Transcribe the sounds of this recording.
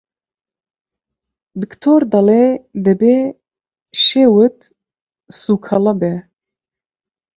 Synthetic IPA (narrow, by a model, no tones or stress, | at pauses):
d̪ɨkt̪ʰoːɾd̪ɑled̪ɨbeː | ʃeːwɨt̪ | sukʰɐlɐbɛ